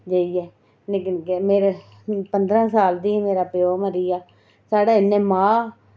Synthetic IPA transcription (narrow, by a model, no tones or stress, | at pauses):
d͡ʒəːiːɛː | neknkemeːɾe | pənd̪ɾãːsaːld̪iːmeːɾaːpeoːməɾiːaː | saːɽaːɪnːẽːmãː